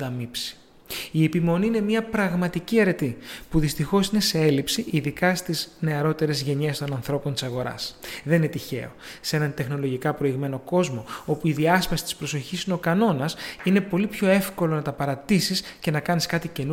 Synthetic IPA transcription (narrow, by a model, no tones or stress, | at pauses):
ɐmipsi̥ | ie̞pimo̞niine̞mɲɐpɾɐɣmɐt̪iciɐɾe̞t̪ipuðist̪ixo̞sine̞se̞e̞lipsiʔiðikɐst̪izne̞ɐɾo̞t̪e̞ɾe̞zʝe̞ɲe̞st̪o̞nɐnθɾo̞pont̪i̥sɐɣo̞ɾɐ̰sðnine̞t̪içe̞̰o̞̰see̞nɐnt̪e̞xno̞lo̞ʝikɐpɾo̞iɣme̞no̞ko̞zmo̞o̞puiðiɐspɐsi̥t̪i̥spɾo̞so̞çisino̞kɐno̞nɐsine̞po̞lipço̞e̞fko̞lo̞nɐt̪ɐpɐɾɐt̪isisce̞nɐkɐniskɐt̪ice̞nu